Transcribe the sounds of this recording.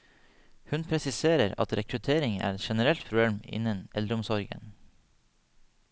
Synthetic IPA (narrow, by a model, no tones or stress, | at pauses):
hʉnpʰɾɛsɪseːɾəɾɑ̰t̪ɾɛkɾʉt̪ʰeːɾɪŋæ̰ːɾɛt̪ʃɛnəɾɛlt̪pʰɾʊb̪eːmɪ̰nənʔɛld̪ɾəʊmsɔɾɡə̰n